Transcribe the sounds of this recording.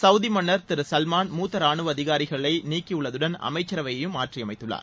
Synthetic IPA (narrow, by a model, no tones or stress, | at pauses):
sɐʊðimɐɳːɐɾt̪ɪɾɯsɐlmaːnmuːt̪ːɐɾaːɳɯʋɐðɪɣaːɾɪɣɐɭɐɪniːkːiʊɭːɐðɯɽɐnɐ̰mɐɪt͡ʃːɐɾɐʋɐjɐjɯmːaːʈrijɐmɐɪt̪ːɯɭːa̰ːɾ